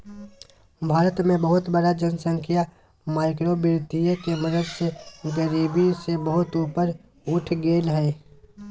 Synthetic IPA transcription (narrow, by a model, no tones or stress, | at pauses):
bʱaːɾət̪mẽbəɦʊt̪bəɽad͡ʒənsə̃ŋkʰija | maːɪkɾobɪɾt̪ijəkeməd̪əd̪seɡəɾiːbisebəɦʊt̪uːpəɾ | ʊʈʰɡeːlɦɛː